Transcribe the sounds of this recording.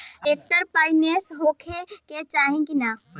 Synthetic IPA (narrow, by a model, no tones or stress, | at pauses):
eːk̚ʈəɾpaːɪnesɦoːkʰeket͡ʃaːɦẽkina